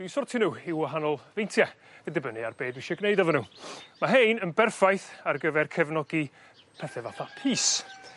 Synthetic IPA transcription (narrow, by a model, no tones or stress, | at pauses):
d̥isɔrtʰɪnuːɪwaɦanɔlˠvejntʰja | ədɛbənɨa̰rbeːdwiʃɛɡnejdɔvənuːmaɦejnənbɛrfajθarɡəvɛrkʰɛvnɔɡi | pʰɛθɛvaθapʰiːs